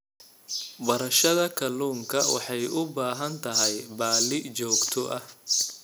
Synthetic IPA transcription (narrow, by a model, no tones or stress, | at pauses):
bɐɾɐʃɐðɐkʰɐluːŋkʰɐwɑ̰ħɑjʊbaːɦɐnt̪ʰɐɦɛjbaːlɪt͡ʃɔːɡt̪ʰɔʔɐh